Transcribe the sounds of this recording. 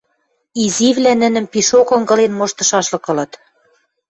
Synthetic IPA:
iziβlænɘ̆nɘ̆mpiʃokɤ̆ŋɡɤ̆lenmoʃt̪ɤ̆ʃɑʃlɤ̆kɤ̆lɤ̆t̪

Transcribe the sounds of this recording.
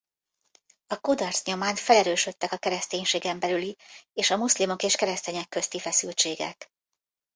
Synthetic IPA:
ɒkud̪ɒrsɲo̞maːnt̪fɛlɛɾøːʃø̞t̪ːɛkɒkɛɾɛst̪eːɲʃeːɡɛmbɛlylieːʃɒmuslimo̞keːʃkɛɾɛst̪eːɲɛkːøst̪ifɛsylt͡ʃeːɡɛ̰k

